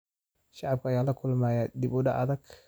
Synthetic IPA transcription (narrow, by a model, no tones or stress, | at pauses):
ʃaʕab̚kajalakulmajadibuda̰ʔa̰dak